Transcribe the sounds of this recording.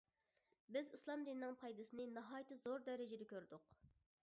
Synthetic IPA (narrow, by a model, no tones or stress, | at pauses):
bɪzislˠɑmd̪inːɨŋpʰɑjd̪ɨsɨnɨnɑɦɑːjt̪ɨzoɾd̪ɛɾɪd͡ʒɪd̪ɛkʲøɾd̪ʊq